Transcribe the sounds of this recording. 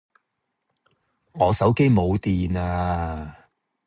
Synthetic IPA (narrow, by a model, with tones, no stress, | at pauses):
ŋɔː˨˧sɐ˨˥wke˥jmo˨˧wt̪iː˨naː˧